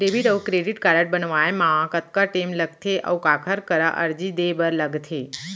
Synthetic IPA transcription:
ɖeʋiʈəʋkɾeɖiʈkaɾəʈ̚bənʋaemãkət̪̚kaʈeːmləɡ̚t̪ʰeʔə̰ukaːkʰəɾkəɾaʔə̰ɾd͡ʒid̪ebəɾləɡt̪ʰe

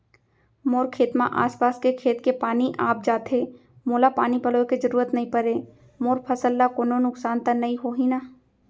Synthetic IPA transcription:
moːɾkʰeːt̪mã̰ʔa̰ːspaːskekʰeːt̪kepaːniʔaːp̚d͡ʒaːt̪ʰeː | moːlapaːnipɐloked͡ʒəɾuːɾət̪nɐɦĩpəɾeː | moːɾpʰɐsəlːakoːnonʊksaːnt̪ənɐĩɦoːɦĩna

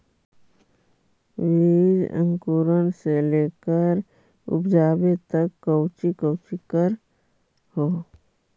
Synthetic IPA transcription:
ʋid͡ʒə̰̃ŋkuːɾənseleːkəɾ | ʊ̰pd͡ʒaːbet̪əkːəwt͡ʃikəwt͡ʃikəɾ | hoː

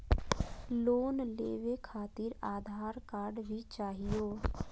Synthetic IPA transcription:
loːnlḛːʋekʰaːt̪iːɾaːd̪ʱaːɾkaːɾɖbʱit͡ʃaːɦijoː

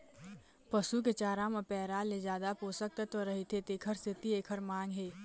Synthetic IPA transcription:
pəsuk̬et͡ʃaːɾãmɐpɛːɾaled͡ʒaːd̪apoːsək̚t̪et̪oɾɐɦit̪ʰet̪eːkʰəɾst̪ɪt̪ieːkʰəɾmãːŋɡɦeː

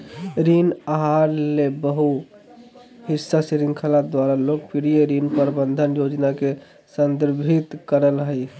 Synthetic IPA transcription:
ɾinaɦaɾlebəɦu | hisːasiɾiŋkʰəlad̪waɾalokpiɾijeɾinpəɾbənd̪ʱənjod͡ʒnake | sənd̪əɾbʱit̪kəɾəlɦəj

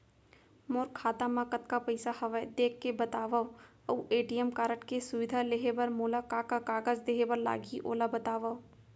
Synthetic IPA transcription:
moːɾkʰːaːt̪amãːkət̪̚kapɐɪsahɐʋəd̪eːkʰːebɐt̪aːʋa | ɐweːʈijəmkaːɾəʈkesʊʋɪd̪ʱaleɦebəɾmoːlakaːkakaːɡəzd̪eɦebəɾla̰ːɡiʔo̰ːlabɐt̪aːʋa

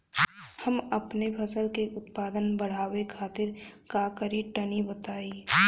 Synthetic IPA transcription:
hɐmɐpnepʰɐsəlkeʔʊt̪paːd̪ənbɐɽ̤aːwekʰaːt̪ɪɾkakəɾiʈɐnibɐt̪aːi

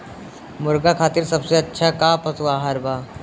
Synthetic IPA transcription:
muɾɡakʰat̪iːɾsəbseətːɕʰakapət͡sʋaɦaɾba

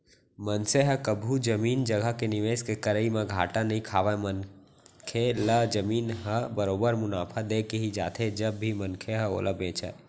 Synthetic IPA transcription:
mənseɦəkəbʱud͡ʒəmiːnd͡ʒəɡəɦkenɪʋeːskekəɾəimẽɡʱa̰ːʈanəɦĩkʰaːʋamən | kʰeləd͡ʒəmiːnɦəbəɾoːbəɾmʊnaːpʰad̪eːkeɦid͡ʒa̰ːt̪ʰed͡ʒəbːimənkʰeɦəo̰ːlʔəbeːt͡ʃa̰e

